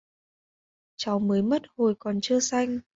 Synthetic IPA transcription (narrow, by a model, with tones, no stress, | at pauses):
t͡ɕa˨˦wməː˨˦jmə˦˥t̚ho˨˩jkɔ˨˩nt͡ɕɨ˧əsa˧jŋ̟